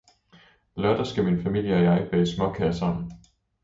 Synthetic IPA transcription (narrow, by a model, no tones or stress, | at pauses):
lɶɐd̥ɐsɡ̥æminfæmil̰jəɒ̽jɑ̈ɪb̥ɛːsmɒ̽kʰæɐsɑm̰n̩